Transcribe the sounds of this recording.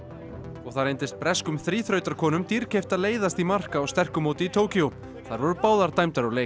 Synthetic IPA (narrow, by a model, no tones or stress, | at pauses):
ɔɣθaɾejnt̪ɪst̪̚pɾɛskʏmθɾiːθɾœːɥt̪aɾkʰɔːnʏmt̪iɾcʰejft̪aðleːjðast̪imar̥kaːwst̪ɛr̥kʏmowt̪ɪit̪ʰoːwcio | θaɾvɔɾʏɾpaːwðaɾt̪aːjmt̪aɾaleːj